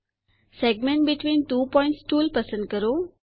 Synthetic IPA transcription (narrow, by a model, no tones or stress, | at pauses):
seɡ̚mẽɳʈ̚biʈʰʋĩːnʈuːpɔɪ̃ɳʈsʈuːlpəsə̃ɳɖ̚kəɾo